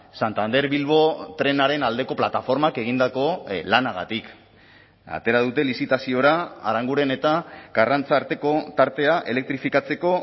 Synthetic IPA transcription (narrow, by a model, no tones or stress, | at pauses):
sant̪and̪e̞ɾβilβo̞t̪ɾe̞naɾe̞nald̪e̞ko̞plat̪afo̞ɾmake̞ɣ̞ind̪ako̞lanaɣa̰t̪ik | a̰t̪e̞ɾaðut̪e̞lisit̪asio̞ɾaːɾaŋɡuɾe̞ne̞t̪aɡarant͡saːɾt̪e̞ko̞t̪aɾt̪e̞aʔe̞le̞k̚t̪ɾifikat͡se̞ko̞